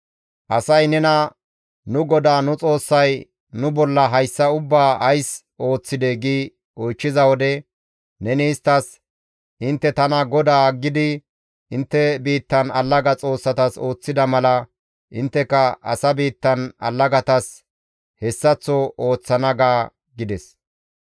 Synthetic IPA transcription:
ʔɐsɐjnɛnɐ | nʊɡɔd̪aːnʊt͡sʼo̞ːsːɐj | nʊbɔlːɐɦɐjsːɐʊbːaːʔɐjs | ʔo̞ːt͡sːɪd̪eɡiː | ɔjt͡ʃːɪzɐwɔd̪ɛ | nɛnɪːst̪ːɐs | ʔɪnt̪ːɛt̪ɐnɐɡɔd̪aːɡːɪd̪ɪ | ɪnt̪ːɛbiːt̪ːɐnɐlːɐɡɐt͡sʼo̞ːsːɐt̪ɐso̞ːt͡sːɪd̪ɐmɐlɐ | ʔɪnt̪ːɛkɐʔɐ̰sɐbiːt̪ːɐnɐ̰lːɐɡɐt̪ɐs | hɛsːɐt͡sːɔʔo̞ːt͡sːɐnɐɡaː | ɡɪd̪ɛs

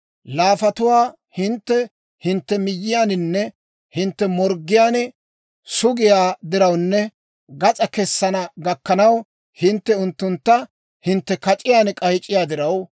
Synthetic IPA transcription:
laːfɐt̪ʊwaː | hɪnt̪ːɛ | hɪnt̪ːɛmɪjːɪjaːnɪnːɛ | hɪnt̪ːɛmɔɾɡːɪjaːnɛ | sʊɡɪjaːd̪ɪɾɐwnːɛ | ɡɐt͡sʼɐkɛsːɐnɐɡɐkːɐnɐw | hɪnt̪ːɛʊnt̪ːʊnt̪ːɐ | hɪnt̪ːɛkɐt͡ʃʼɪjaːnkʼɐjt͡ʃʼːɪjaːd̪ɪɾɐw

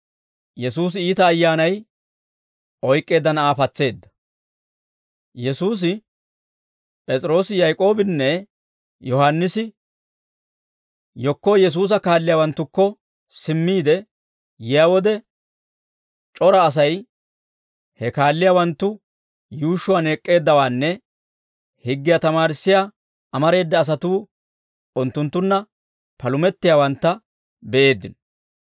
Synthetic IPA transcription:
jɛsuːs̬ɪiːt̪ɐːjːaːnɐj | ʔɔjkʼːe̞ːd̪ːɐnɐaːfɐt͡sːe̞ːd̪ːɐ̥ | jɛsuːs̬ɪ | pʼɛt͡sʼɾo̞ːsɪjajkʼo̞ːbɪnːɛ | jɔhanːɪsɪ | jɔkːɔjɛs̬uːs̬ɐkaːlːɪjaːwɐnt̪ːʊkːɔ | sɪmːiːd̪ɛ | jɪjaːwɔd̪ɛ | t͡ʃʼɔɾɐːs̬ɐj | hɛkaːlːɪjawɐnt̪ːʊ | juːʃʊwaːne̞ːkʼːe̞ːd̪ːɐwaːnːɛ | hɪɡːɪjat̪ɐmaːɾɪsːɪja | ɐmɐɾe̞ːd̪ːɐːs̬ɐt̪uː | ʊnt̪ːʊnt̪ːʊnːɐ | pɐlʊmɛt̪ːɪjaːwɐnt̪ːɐ | bɛʔe̞ːd̪ːɪ̰n

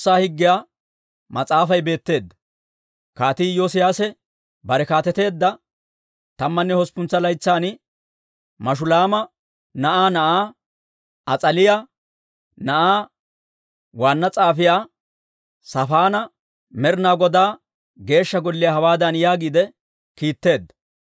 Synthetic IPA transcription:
aːhɪɡːɪjaː | mɐt͡sʼaːfɐjbe̞ːt̪ːe̞ːd̪ːɐ | kaːt̪iːjoːsɪjaːsɛ | bɐɾɛkaːt̪ɛt̪e̞ːd̪ːɐ | t̪ɐmːɐnːɛhɔspʊnt͡sːɐlɐjt͡sːaːn | mɐʃ̬ʊlaːmɐ | nɐʔaːnɐʔaː | ɐt͡sʼɐlɪjaː | nɐʔaː | waːnːɐt͡sʼaːfɪjaː | sɐfaːnɐ | mɛɾnaːɡɔd̪aː | ɡe̞ːʃːɐɡɔlːɪjɐhɐwaːd̪ɐnjaːɡiːd̪ɛ | kiːt̪ːe̞ːd̪ːɐ̥

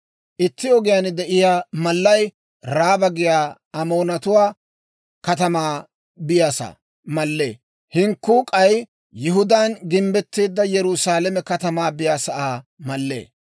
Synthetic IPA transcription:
ʔɪt̪ːɪɔɡɪjaːnd̪ɛʔɪjaːmɐlːɐj | ɾaːbɐɡɪjaː | ɐmo̞ːnɐt̪ʊwaː | kɐt̪ɐmaː | bɪjaːsa̰ː | mɐlːḛː | hɪŋkːuːkʼɐj | jɪɦʊd̪anɡɪmbɛt̪ːeːd̪ːɐjɛɾusaːlɛmɛkɐt̪ɐmaːbɪjaːsɐʔaːmɐlːḛː

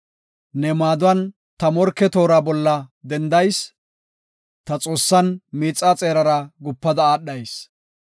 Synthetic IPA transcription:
nɛmaːd̪ʊwɐn | t̪ɐmɔɾkːɛt̪o̞ːɾabɔlːɐd̪ɛnd̪ɐjs | t̪ɐt͡sʼo̞ːsːɐnmiːt͡sʼːaːt͡sʼeːɾɐɾɐɡʊpːɐd̪ɐaːɗːɐjs

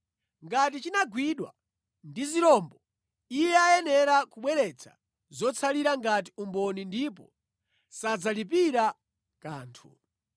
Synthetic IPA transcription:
ŋɡat̬it͡ʃinaɡwiɗwa̰ | ndiziɾɔmbɔ | ijɛajɛnɛɾakuɓwɛɾɛt͡sʰḁ̰ | zɔt͡sʰaliɾaŋɡat̬iumbɔnindip̬ɔ | sad͡zalipiɾa | kaːntʰṵ

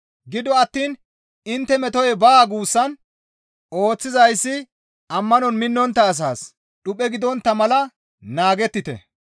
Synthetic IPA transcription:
ɡɪd̪ɔɐt̪ːiːn | ɪnt̪ːɛmɛt̪ɔjɛbaːɡuːsːɐn | ʔo̞ːt͡sːɪzɐjsːɪ | ʔɐmːɐnɔnmɪnːɔnt̪ːɐːs̬aːs | ɗʊpʼːɛɡɪd̪ɔnt̪ːɐmɐlɐ | naːɡɛt̪ːɪt̪ɛ̰

